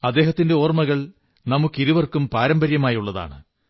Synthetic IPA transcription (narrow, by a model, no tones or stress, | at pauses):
ɐd̪ːe̞ːɦɐt̪ːinde̞o̞ːrmɐɣɐɭ | nɐmukːiɾuʋɐrkumpaːɾɐmbɐɾjɐmaːjuɭːɐða̰ːɳɨ̰